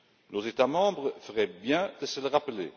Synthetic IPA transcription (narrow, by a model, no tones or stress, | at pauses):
nozet̪amɑ̃bʁəfəʁɛbjɛ̃d̪̥əsələʁapəle